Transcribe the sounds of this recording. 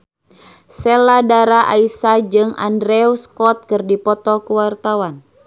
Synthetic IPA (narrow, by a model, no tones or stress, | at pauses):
sɛladaɾaʔaisad͡ʒɨŋa̰ndɾɛuskɔt̪̚kɨrdipɔt̪ɔkuwart̪awan